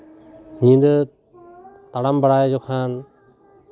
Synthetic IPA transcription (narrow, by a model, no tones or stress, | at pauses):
ɲĩnd̪ə | t̪aɽambaɽajd͡ʒɔkʰan